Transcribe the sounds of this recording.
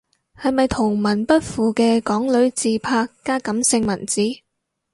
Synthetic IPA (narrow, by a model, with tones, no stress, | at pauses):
hɐ˨jmɐ˨jt̪ʰʊ˨˩ŋmɐ˨˩npɐ˥t̚fuː˨˧kɛː˧kɔː˨˥ŋlɵ˨˥ɥt͡siː˨˧pʰaː˧kːaː˥kɐ˨˥msɪ˧ŋmɐ˨˩nt͡siː˨˥